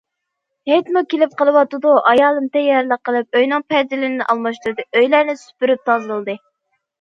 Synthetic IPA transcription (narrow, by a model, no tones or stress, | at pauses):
het̪mukʲelɪp̚qəlˠɨwɑt̪ɨd̪uʔɑjɑːlˠɨmt̪ʰɛjɑɾlˠəqːəlˠɨp̚øjnɨŋpʰɛɾzɪlɪnʔɑlˠmɑʃt̪uɾɨd̪ɨʔøjlæɾnɪsy̥pyɾyp̚t̪ʰɑzɨlˠd̪ɨ